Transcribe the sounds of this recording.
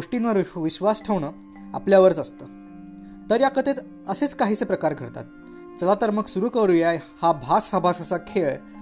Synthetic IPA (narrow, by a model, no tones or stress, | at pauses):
oʂʈinʋəɾʋiɕʋasʈʰeʋɳəː | a̰pljaʋəɾt͡səst̪əː | t̪əɾjakət̪et̪ | əset͡skaɦiːt͡sepɾəkaɾɡʱəɾt̪a̰t̪̚ | t͡səlat̪əɾməksuɾuːkəɽujajhabʱasəbʱasasakʰeɭ